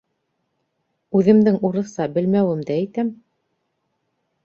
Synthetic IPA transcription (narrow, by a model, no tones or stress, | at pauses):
ʉðɘ̆md̪ɘŋuɾɤ̆θsɑbɘ̆lmæwɘ̆md̪æit̪æm